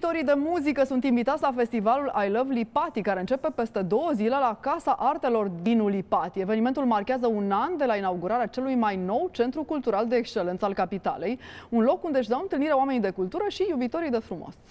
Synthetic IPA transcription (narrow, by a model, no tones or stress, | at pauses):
t̪o̞ɾijd̪e̞muzikəsunt̪imvit̪at̪sʲlafe̞st̪ivalulʔajləvlipat̪ikaɾe̞ɨnt͡ʃe̞pe̞pe̞st̪e̞d̪o̞wəzile̞lakasaʔart̪e̞lo̞rd̪inulipat̪ie̞venime̞nt̪ulmarkʲeazəunand̪e̞lainauɡuɾaɾeat͡ʃe̞lujmajno̞wt͡ʃe̞nt̪ɾukult̪uɾald̪e̞ːkst͡ʃe̞le̞nt̪səalkapit̪a̰le̞junlo̞kːund̪eɨʃ̬d̪awɨnt̪ɨlniɾeowame̞nid̪e̞kult̪uɾəʃijubit̪o̞ɾijd̪e̞fɾumo̰s